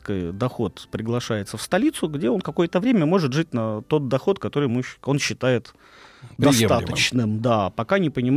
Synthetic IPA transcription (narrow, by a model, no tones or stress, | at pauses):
kəjd̪ɐxo̞t̪pɾʲɪɡlˠɐʂajɪt̪səfst̪ɐlʲit̪sʊɡdʲe̞o̞nkɐko̞jət̪əvɾʲemʲəmo̞ʐɨt̪ʐɨt̚ʲnɐt̪o̞t̪̚d̪ɐxo̞t̪kɐt̪o̞ɾɨjmɨo̞nɕːɪt̪ajɪt̪ | d̪ɐt̪aət͡ɕnɨmd̪apɐkanʲɪpənʲɪm